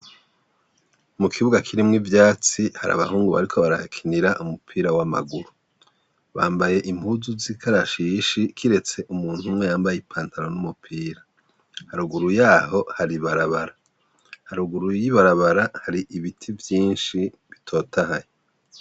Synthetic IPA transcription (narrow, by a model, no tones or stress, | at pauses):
mukʰiβuɡakʰiɾimŋivjaːt͡sihaɾa̰βa̰huːŋɡuβa̰ɾikʰo̞βaɾahakʰiniɾaʔumupʰiːɾawama̰ɡuɾu | βa̰ːmbaje̞ʔimbuzuzikʰaɾaʃiʃikʰiɾe̞t͡se̞ʔumuːn̥humŋe̞jaːmbajipʰaːntʰaɾo̞numupʰiːɾa | haɾuɡuɾujaːho̞haɾiβaɾaβaɾa | haɾuɡuɾujiβaɾaβaɾahaɾiʔiβitʰivjiːnʃi | βitʰo̞ːtahaje